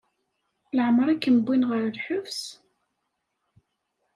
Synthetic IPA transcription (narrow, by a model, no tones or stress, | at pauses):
ləʕəmɾˤækːəmbːinʁəɾlħʊfs